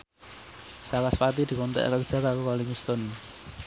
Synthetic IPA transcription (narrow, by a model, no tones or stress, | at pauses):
sakaspat̪id̪̥i̤kɔnt̪ɛ̰ʔkərd̥ʒ̥a̤kaɾukaliŋust̪ɔn